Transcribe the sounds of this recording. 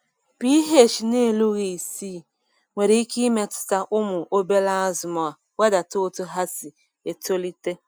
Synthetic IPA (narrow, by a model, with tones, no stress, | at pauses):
pi˦i˦ɦe˦˨t͡ʃi˨ne˦˨lu˦ɣi˨si˦˨ | ŋʷe˨ɾi˨i˦ki˦me˦tʊ̥˨ta˦ʔʊ˦mʊ˨ʔo˦be˦la˦zʊ˨mɔ˨a˨ | we˦da˨to˦tʊ˦ɦa˦si˨ | e˨to˦li˦te˦